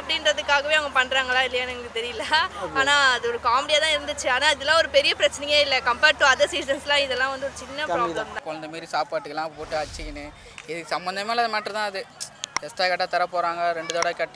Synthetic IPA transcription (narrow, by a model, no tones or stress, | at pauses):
ɐpːɐɽɪnɾɐðɯkːaːɣɐʋeːɐʋɐŋɡɐpɐɳːɾaːŋɡɐɭaːɪlːɐjaːnɐŋɯt̪ɛɾɪjɪlːɐaːnaːɐðɯɔɾɯkaːmɛɽɪjaːt̪ãːɪɾɯnd̪ɯt͡ʃːɯaːnaːɪðɛlːãːɔɾɯpɛɾɪjɐpɪɾɐt͡ʃːɐnɐjŋeːɪlːɐkɐmpeːɾʈːuɐðeːsiːsɐnslãːɪðɛlːãːʋɐnd̪ɯɔɾɯt͡ʃɪnːɐpɾaːɐmt̪ãkɔlɐnd̪ɐmaːɾisaːpaːʈːɯkːɐlãːpoːʈːɯɐt͡ʃːɪkːɐnɯ | ɛðɯkːɯsɐmbɐnd̪ɐmaːlɐðɐmaːʈɾɯ̃t̪ãːɐðɯkɐsʈaːkɛʈːaːt̪ɐɾɐpːoːɾaːŋɡɐɾɛɳɖɯðoːɽɐkɛʈː